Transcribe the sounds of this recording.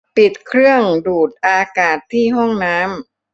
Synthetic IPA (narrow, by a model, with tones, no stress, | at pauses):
pi˨˩t̪̚kʰɾɯ˥˩əŋduː˨˩t̪̚ʔaː˧kaː˨˩t̪ʰːiː˥˩ɦɔ˥˩ŋnaː˦˥m